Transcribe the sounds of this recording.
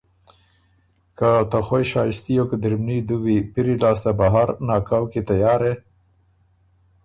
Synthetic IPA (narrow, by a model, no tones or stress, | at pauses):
kat̪axwejʃɑjɪst̪ijokad̪ɪɾmnid̪uwipiɾilɑst̪abaɦaɾnɑkɑwket̪ajɑɾe